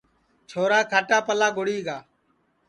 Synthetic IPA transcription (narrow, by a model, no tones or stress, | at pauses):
t͡ʃʰoːɾaːkʰaːʈaːpəlaːɡʊɽiːɡaː